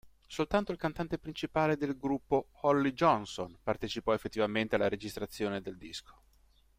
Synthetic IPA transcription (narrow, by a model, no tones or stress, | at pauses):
solt̪ant̪oilkant̪ant̪epɾint͡ʃipaːled̪elɡɾupːoɔlːid͡ʒɔnsonpart̪et͡ʃipɔefːet̪ːivament̪ealːaɾed͡ʒist̪ɾat̪sːjoːned̪eld̪iskʰo̥